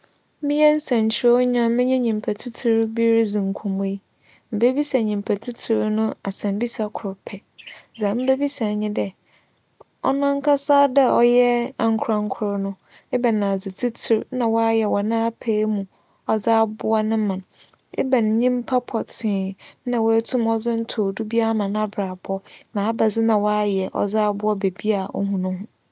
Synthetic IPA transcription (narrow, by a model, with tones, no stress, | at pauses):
mɪ̃˦jɛ˦n̩˦sã˨ɲ˨t͡ɕʰɪ˦ɾɔ˦ɲ˦ã˦mɪ̃˦ɲɛ̃˦ɲĩ˨m˨pʰæ˨tʰi˦tʰi˦ɾbi˦ɾd͡zĩ˨ŋ̩˨kʰũ˨m˦i˦ | m̩˨be˦bi˦sa˨ɲĩ˨m˨pʰa˨tʰi˦tʰi˨ɾnʊ̃˦a˨sɛ̃˨m˦bi˦sa˨kʰʊ˨ɾpʰɛ˨d͡zã˨m̩˦be˦bi˦sa˨ɲɪ̃˦dɛ˦ | ɔ̰˦nã˦ŋ˦kʰa˦saː˦dɛ˦ɔ˦jɛ˦a˨ŋ̩˦kʰʊ˨ɾa˦ŋ̩˦kʰʊ˨˦ɾnʊ̃˦ | e˦ba˨nã˨d͡zɪ˨tʰi˦tʰɪ˨ɾnã˨wɔ˦a˦jɛ˨wɔ˨˦nã˦pʰe˦mũ˨ | ɔ˨d͡za˦bʊ˦a˦nʊ̃˦mã˨nḛ˦bɛ˨n˨ɲĩ˦m˦pʰa˦pʰɔ˨tʰɪ̃˨nã˨wɔ˨æ˦tʰũ˦mɔ˦d͡zɪ˦n̩˦tʰʊ˨du˦bi˦a˦mã˨na˨bɾa˨bɔ˦nã˨a˦ba˨d͡zɪ˦nã˨wɔ˦a˦jɛ˨ʔɔ̰˨d͡zaː˦bʊ˦ɔ˦be˨bi˦a˨ɔ̰˦hũ˨nʊ̃˦ɦʊ̃˦